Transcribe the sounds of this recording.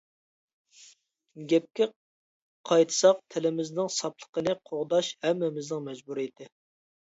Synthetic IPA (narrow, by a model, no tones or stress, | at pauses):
ɡʲɛp̚kʲɪ | qʰɑjt̪ʰɨ̥sɑq̚t̪ʰɪlɪmɪznɪŋsɑplˠə̥qənɨqʰoʁd̪ɑʃhɛmːɛmɪznɪŋmɛd͡ʒbuɾit̪ʰɪ